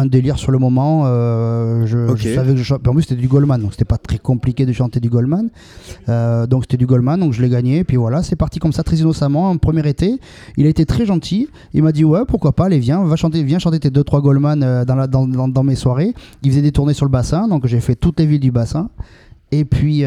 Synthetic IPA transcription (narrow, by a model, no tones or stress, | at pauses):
ɛ̃d̪eliʁsyʁləmɔmɑ̃ø | ʒəʒəssavɛkəʒəʃɑ̃piɑ̃p̬lyset̪ɛd̪yɡɔlmand̪ɔ̃kse̥t̪ɛpat̪χɛkɔ̃plikʲed̪əʃɑ̃t̪ed̪yɡɔlman | ød̪ɔ̃kse̥t̪ɛd̪yɡɔlmand̪ɔ̃kʒəlɛɡaɲeːpɥivwalasɛpaʁt̪ikɔmsat̪χɛzinɔsamɑ̃ɛ̃pχəmjɛʁet̪e | ilaet̪et̪χɛʒɑ̃t̪ʰi | ilmad̪iwɛpuʁkwapalevjɛ̃vaʃɑ̃t̪̬evjɛ̃ʃɑ̃t̪̬et̪ed̪øt̪χwaɡɔlmanød̪ɑ̃lad̪ɑ̃ɑ̃d̪ɑ̃meswaʁeilfəzɛd̪et̪uʁnesyʁləbasɛ̃d̪ɔ̃kʒavɛfɛt̪ut̪levild̪ybasɛ̃ | epɥi